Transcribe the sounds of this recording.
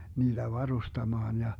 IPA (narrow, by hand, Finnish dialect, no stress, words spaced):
niːd̥æ ʋɑrustɑmɑːn jɑ